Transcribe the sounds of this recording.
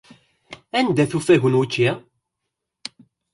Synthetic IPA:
ænd̪æθufæʝənwut͡ʃːi

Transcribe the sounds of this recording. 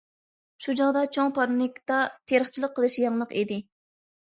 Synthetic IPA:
ʃud͡ʒɑʁd̪ɑt͡ʃʰoŋpʰɑɾunikʲt̪ɑt̪ʰeɾəχt͡ʃʰilˠəqʰːəlˠɨʃjɑŋlˠəqid̪ɪ

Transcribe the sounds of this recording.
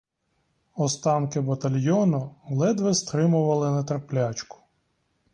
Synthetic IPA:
ɔst̪ɑnkɪbɐt̪ɐlʲjɔnʊlˠɛd̪ʋɪst̪ɾɪmʊʋɐlˠɪnɐt̪ɾrplʲat͡ʃkʊ̥

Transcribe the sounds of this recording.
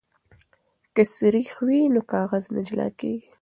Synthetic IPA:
kəsiɾixwinokɑːɣaznɪd͡ʒlɑ̰keɡ

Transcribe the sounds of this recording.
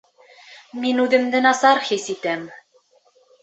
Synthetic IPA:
minʉðɘ̆md̪ɘnɑsɑɾhisit̪æm

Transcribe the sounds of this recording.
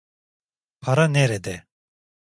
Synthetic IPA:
pʰaɾaneɾed̪e

